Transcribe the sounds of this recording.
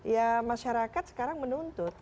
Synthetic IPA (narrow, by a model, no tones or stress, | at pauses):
jamaʃaɾakat̪sə̥kaɾaŋmənunt̪ʊt̪̚